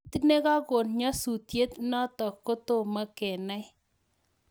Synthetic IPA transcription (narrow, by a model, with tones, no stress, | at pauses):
t̪i˦ne˦ka˦ko˨nɲɔ˦su˨tje˦t̪nɔ˦t̪ɔ˨kːo˦to˦ma˦kɛ˨na˦j